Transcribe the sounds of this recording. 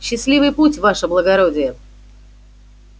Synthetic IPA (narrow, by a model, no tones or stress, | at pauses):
ɕːɪslʲivɨjputʲvaʂəblˠəɡɐɾodʲɪjə